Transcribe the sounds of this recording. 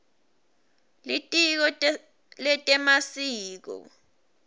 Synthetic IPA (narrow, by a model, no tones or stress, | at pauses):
litʼik̬ɔ | lɛtʼɛmasiːk̬ɔ̰